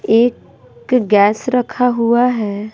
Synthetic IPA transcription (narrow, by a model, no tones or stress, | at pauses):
eːk | ɡɛːsɾɐkʰaɦuaɦɛː